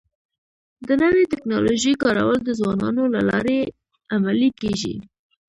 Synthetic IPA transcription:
d̪ənəwet̪ɪknɑloʒəjkɑɾa̰wəld̪əzwɑnɑ̰nolalɑ̰ɾe | amalikeʒḭ

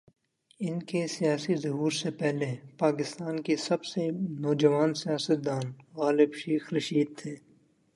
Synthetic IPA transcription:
ɪnkesijaːsizɐɦuːɾsepɛɦlepaːkɪst̪aːnkesɐbsenɔːd͡ʒɐʋaːnsijaːsət̪̚d̪aːnɣaːlɪbʃeːxɾɐʃiːd̪̚t̪ʰeː

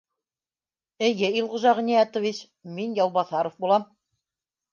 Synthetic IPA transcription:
ɘ̆jɘilˠʁŏʒɑʁɘ̆nijæt̪ŏvʲit͡ɕ | minjɑwˠβɑθɑɾŏfbulˠɑm

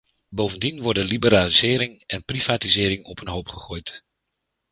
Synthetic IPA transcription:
bowvəndinʋɔɹdənlibəɾaːlizɪːɾɪŋɛnpriv̥aːtizɪːɾɪŋɔpʰənɦowpχəχoːjt

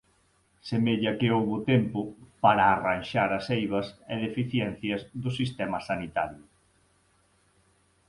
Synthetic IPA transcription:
semeʎɐkɪowβʊt̪empʊpaɾaːranʃaɾɐsejβɐseðefiθjɛn̟θjɐzðʊsist̪ɛmɐsanit̪aɾjʊ

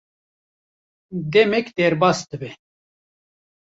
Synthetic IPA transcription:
d̪emekd̪eɾbast̪əbe

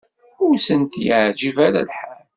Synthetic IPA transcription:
ʊɾsənt̪jʕd͡ʒivaɾa̰lħal

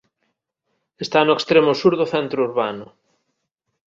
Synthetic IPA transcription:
est̪anʊekst̪ɾemosuɾðʊθɛnt̪ɾouɾβanʊ

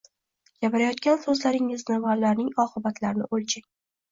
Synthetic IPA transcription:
ɡ̥ʲapɪɾajɒt̪̚kʲansɵzlaɾɪŋɪznɪvalːaɾnɪŋɒqɨbat̪ʰlaɾɪnɪ̰ʔolʲt͡ʃʰaŋ

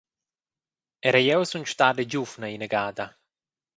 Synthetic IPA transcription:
ɛɾajɛwsunt͡ʃt̪aded͡ʒufnaineɡaːd̪a

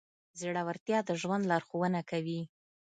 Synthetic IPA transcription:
ziɽawaɾt̪jɑd̪əʒwand̪lɑɾxowənakawi

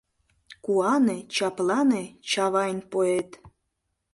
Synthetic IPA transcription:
kuɑnet͡ɕɑplˠɑnet͡ɕɑβɑjnʲpoet̪

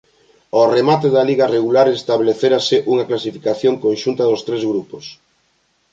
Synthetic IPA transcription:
ɔremat̪eðɐliɣɐreɣ̞ulaɾest̪aβleθeɾaseʔuŋaklasifi̥kaθjoŋkonʃunt̪ɐðost̪ɾezɣɾupos

